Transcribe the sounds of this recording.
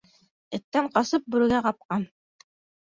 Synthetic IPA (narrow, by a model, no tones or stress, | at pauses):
ɘ̆t̪ːæɴqɑsɤp̚bɵ̆ɾɘ̆ɡæqɑp̚qɑn